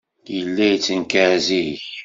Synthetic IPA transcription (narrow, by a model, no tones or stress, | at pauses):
jəlːæjt͡sːənkæziç